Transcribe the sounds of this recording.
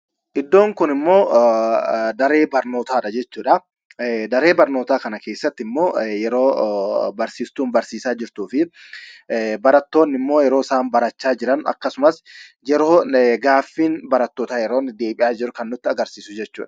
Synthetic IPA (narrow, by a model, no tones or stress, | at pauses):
ʔɪd̪ːo̞ːŋkʊnɪmːo̞ː | d̪ɐɾe̞ːbɐɾno̞ːt̪aːᶑɐd͡ʒɛt͡ʃːuːᶑɐ | d̪ɐɾe̞ːbɐɾno̞ːt̪aːkɐnɐke̞ːsːɐt̪ːɪmːo̞ːjɛɾoːbɐɾsiːst̪uːnbɐɾsiːsaːd͡ʒɪɾt̪uːfɪ | bɐɾɐt̪ːo̞ːnːɪmːo̞ːjɛɾo̞ːsaːnbɐɾɐt͡ʃːaːd͡ʒɪɾɐnɐ̰kːɐsʊmɐs | jɛɾoːɡaːfːiːnbɐɾɐt̪ːoːt̪aːjɛɾoːnːɪd̪e̞ːɓʼɪjaːd͡ʒɪɾʊkɐnːʊt̪ːɪɐɡɐɾsiːsʊd͡ʒɛt͡ʃːṵːᶑɐ̥